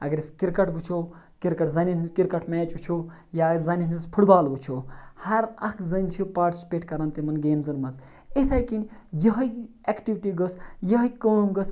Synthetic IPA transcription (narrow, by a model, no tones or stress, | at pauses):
ɐ̰ɡɐɾiskiɾkɐʈɡut͡ʃʰo | kiɾkɐʈzɐnʲinkiɾkɐʈmɛːt͡ʃut͡ʃʰo | jaːzɐnʲinispʰuʈbaːlʋut͡ʃʰohɐɾɐkzənʲt͡ʃʰipaːʈspʲeʈkɐɾɐnt̪imɐnɡeːmzɨnmɐz | et̪ʰɐjkinjɐɦɐj | ɛkʈiʋiʈiɡəsjɐɦɐkəːmɡəs